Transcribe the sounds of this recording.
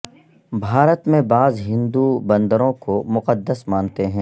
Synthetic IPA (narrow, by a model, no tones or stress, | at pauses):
bʱaːɾət̪mẽbaːzɦɪ̃nd̪ubɐ̃nd̪əɾõkomʊqəd̪ːəsmãːnt̪eɦɛ̃ː